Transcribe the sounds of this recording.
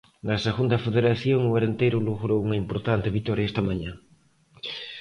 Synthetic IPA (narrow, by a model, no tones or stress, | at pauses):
naseɣund̪afeðeɾaθjoŋuaɾent̪ejɾuluɣɾouŋɐimpoɾt̪ant̪eβit̪ɔɾjaest̪amãɲã